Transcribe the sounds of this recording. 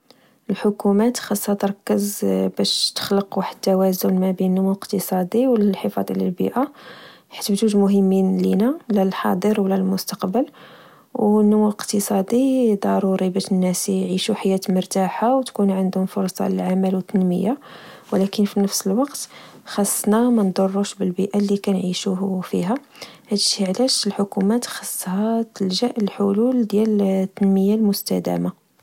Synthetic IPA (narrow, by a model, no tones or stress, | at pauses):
əlħʊkumæt̪xɑsˤːɑt̪əɾˤɑkːəzbæʃt̪ə̥xləqwaħəd̪t̪ːæwæzʊlmæbinənːʊmuwəqt̪əsˤɑd̪ˤiwləlħəfɑ̰d̪ˤʕlæ̰lbḭʔæ | ħə̥t̪ːbt̪uʒmʊɦəmːinlinælælħɑ̰d̪ˤəɾwlælmʊst̪ɑ̥qbəl | wnːʊmuwəqt̪əsˤɑd̪ˤid̪ˤɑɾˤuɾibæʃənːæsʕiʃuħajːæt̪məɾt̪aħawt̪kunʕənd̪hʊmfʊɾˤsˤɑ̰lə̰lʕamælwət̪ːənmə̰jawlækənfinəfsəlwɑqt̪ | xɑsˤːnamænd̪ˤorˤːuʃbəlbiʔalːikænʕiʃufḭɦæ | hæd̪ʃiʕlæʃəlħʊkumæt̪xɑsˤːhæt̪əlʒæʔlħʊluld̪jælt̪ːənməjːalmʊst̪æd̪æ̰ma